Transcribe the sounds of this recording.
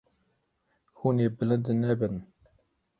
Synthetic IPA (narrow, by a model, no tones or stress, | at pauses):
hunebələnd̪nɛbən